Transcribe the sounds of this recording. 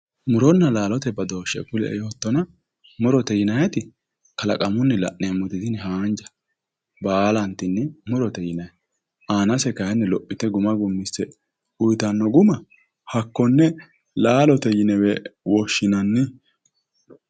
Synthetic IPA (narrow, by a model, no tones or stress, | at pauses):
mʊɾɔnːɐlaːlɔt̪ɛbɐd̪o̞ːʃːɛkʊlɛʔɛ̰jot̪ːɔnɐ | mɔɾɔt̪ɛjɪnɐjɐt̪ɪ | kɐlɐkʼɐmʊnːɛlɐ̰ʔnɛmːʊt̪ɪd̪ɪnɛɦaːnd͡ʒɐ̥ | baːlɐnt̪ːɪnːɛmʊɾɔt̪ɛjɪnɐj | ʔaːnɐsɛkɐhɛnːɛlɔpʼːɪt̪ɛɡʊmɐɡʊmːɪsɛ | ʊjt̪ɐnːɔɡʊmɐ | hɐkːɔnːɛ | laːlɔt̪ɛjɪnɛwɛwɔʃːɪnɐnːɪ